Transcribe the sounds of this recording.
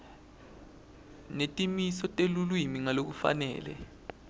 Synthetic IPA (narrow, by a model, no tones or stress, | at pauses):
netʼimisɔtʼelulwimiŋalok̬ufa̰nɛ̰ːlɛ̰